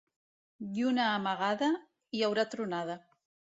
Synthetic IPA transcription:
d̪junaːmaɣaða | iawɾat̪ɾunaða

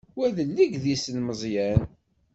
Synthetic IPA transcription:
wæðəlːiɡðisənməzˤjæn

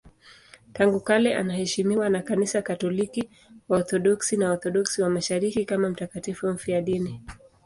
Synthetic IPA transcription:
taŋɡukalɛʔa̰nahɛʃimiwanakanisakatɔliki | waɔθɔɗɔksinaɔɾθɔɗɔksiwamaʃaɾikikamam̩takatifum̩fiaɗini

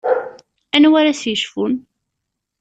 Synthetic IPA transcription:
ænwæɾæsjəʃfun

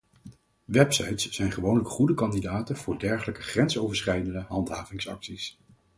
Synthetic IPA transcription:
ʋɛpsɑ̰jtsːɛjnχəʋownləkχudəkɑndidaːtənvʊːɹdɛɹχələkəχrɛnsowvəɹsχrɛjdəndəɦɑntɦaːvɪŋsɑ̰ksis

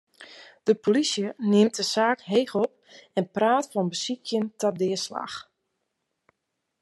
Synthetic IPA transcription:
d̥əpʰolisjənɪmt̚əsaːkɦejxɔp | ɛnpraːtfɔnbəsikʰjəntadɪəsla̰x

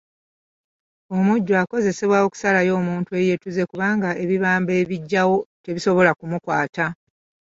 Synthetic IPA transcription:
o̞muɟːoako̞ze̞se̞βwaoku̥salajo̞ːmuːntue̞je̞tuze̞kuβaːŋɡaʔe̞βiβaːmbe̞ːβiɟːawo̞te̞βiso̞βo̞lakumukwaːta

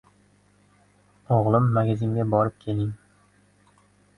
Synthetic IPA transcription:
oʁlˠɪmːaɡʲazɪŋɡʲabɒɾɪp̚kʲʰe̞lɪŋ

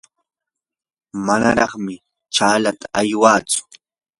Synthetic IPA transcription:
mana̰ɾɑχmɪ | t͡ʃaːlat̪ḁʔajwaːt͡sʊ̥

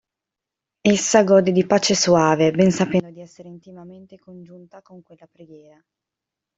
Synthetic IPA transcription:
esːaɡɔːd̪ed̪ipaːt͡ʃesoaːvebɛnsapɛnd̪od̪iɛsːeɾeint̪imament̪ekond͡ʒunt̪akoŋkwelːapɾeɡjɛːɾa

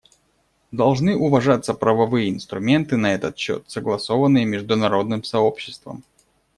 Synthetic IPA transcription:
d̪ɐlˠʐnɨʔʊvɐʐat̪sːəpɾəvɐvɨjəɪnst̪ɾʊmʲe̞nt̪ɨnɐɛt̪ət̪ɕːo̞̰t̪səɡlˠɐso̞vənːɨjəmʲɪʐd̪ʊnɐɾo̞d̪nɨmsɐo̞pɕːɪ̥st̪və̰m

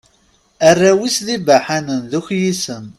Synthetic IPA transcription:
ərːæwisðibaħanənðuçjisəm

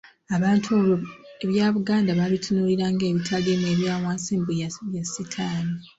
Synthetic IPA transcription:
aβaːntʰuoeβjaːβuɡaːndaβalitʰunuːliɾaŋɡe̞ːβitʰaɡemeβjaːwaːnsiːmbuβjasitʰaːni

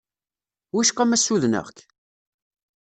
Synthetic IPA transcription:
wiʃqæmæsːuðnə̰ʁk

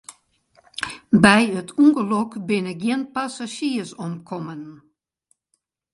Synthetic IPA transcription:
bɛjətʰuŋɡəlɔkbɪnəɡiənpasaʃiəsɔmkʰɔmən

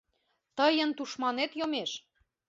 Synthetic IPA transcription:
t̪əjənt̪uʃmɑnet̪jomeʃ

